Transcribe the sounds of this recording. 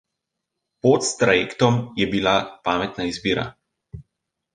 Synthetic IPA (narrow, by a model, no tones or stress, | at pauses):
pɔt̪st̪ɾajeːkt̪ɔmjɛbilapaːmɛt̪naizbiːɾa̰